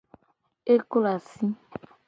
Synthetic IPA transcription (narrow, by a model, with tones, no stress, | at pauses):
e˦ko˦la˨si˦